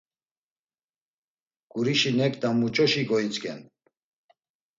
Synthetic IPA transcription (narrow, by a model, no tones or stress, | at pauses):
ɡ̥uɾiʃinɛkd̪amut͡ʃʼɔʃiɡɔit͡sʼkɛn